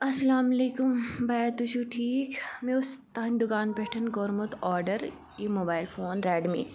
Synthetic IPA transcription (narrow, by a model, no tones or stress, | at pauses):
ɐsɐlaːmɐleːkʊmbajt̪ut͡ʃʰuːʈʰiːkmẽʊst̪aːnd̪ʊkaːnpɛːʈʰənɡoːɾmʊt̪ɔːɾɖəɾ | jeːmoːbaːɪlfoːnɾɛːɖmḭː